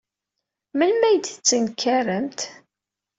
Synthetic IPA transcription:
mənmæjd̪ət͡sːənkʰːærəmt̪

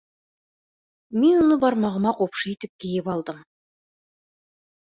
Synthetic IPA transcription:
menonəbɑɾmɑʁəmɑqʰopʃəjt̪ɪp̚kʲʰejɪpɑlˠd̪əm

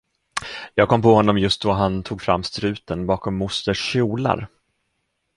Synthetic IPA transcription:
jɑːɡ̚kʰɔmːpɔhɔnːɔmjɵst̪̚d̪ɔɦant̪ʰuːɡfɾa̰mːst̪ɾʉ̟ːt̪ənbɑːkɔmːʊst̪əʂɕuːla̰ɾ

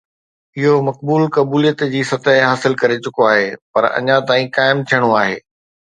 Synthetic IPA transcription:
ɪɦomɐkbuːlkɐbuːlijət̪d͡ʑiːsɐt̪əɦɪɦaːsɪlkɐɾet͡ɕʊkoaːɦeːpɐɾɐ̰ɲãt̪aːĩkaːɪmt̪ʰijəɽ̃oaːɦḛː

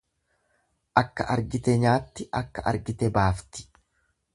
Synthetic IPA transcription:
ʔɐkːɐʔɐɾɡɪt̪ɛɲaːt̪ːɪʔɐkːɐʔɐ̰ɾɡɪt̪ɛbaːft̪ɪ̥

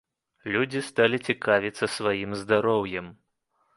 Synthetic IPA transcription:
lʲud͡zʲist̪alʲit͡sʲikavʲit̪sːɐsvajimzd̪aɾɔwjɛm

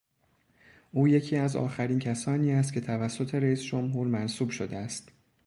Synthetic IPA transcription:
ʔuːje̞cʰiːæzɒ̰ːxæɾiːncʰæsɒːniːæst̪̚cʰe̞t̪ʰævæsːo̞t̪ʰe̞ɾeiːsd͡ʒo̞mɦuːɾmænsuːb̥ʃo̞d̪eæst̪

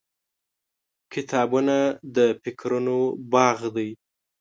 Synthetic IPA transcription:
kɪt̪ʰɑbunad̪əfɪkʰɾunobɑɣd̪aj

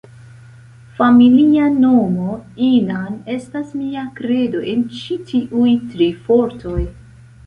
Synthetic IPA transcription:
familiano̞mo̞inane̞stasmiakɾe̞do̞ʔe̞nt͡ʃitʰiʔujtɾifo̞ɾto̞j

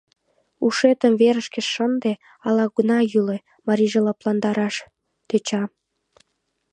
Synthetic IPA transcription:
uʃet̪əmveɾəʃkĕʃʃənd̪e | ɑlɑɡunɑjyle | mɑɾʲiʒelɑplɑnd̪ɑɾɑʃ | t̪et͡ɕɑ

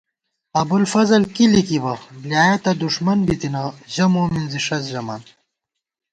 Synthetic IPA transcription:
ɐbulfɐzɐlkilikibɐbljaːjɐt̪ɐd̪uʂmɐnbit̪inaʑɐmoːminziʂɐsʑɐmaːn

